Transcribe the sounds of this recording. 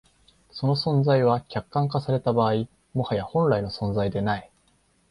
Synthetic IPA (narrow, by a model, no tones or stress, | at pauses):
so̞no̞sõ̞nd͡zaiβ̞akʲakːãŋk̬asaɾe̞t̪abaːi | mo̞hajahõ̞nɾaino̞sõ̞nd͡zaid̪e̞nai